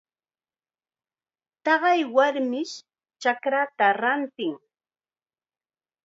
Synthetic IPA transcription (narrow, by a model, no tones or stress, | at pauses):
t̪ɑɢɑjwaɾmɪʃ | t͡ʃakɾat̪aɾant̪ɪŋ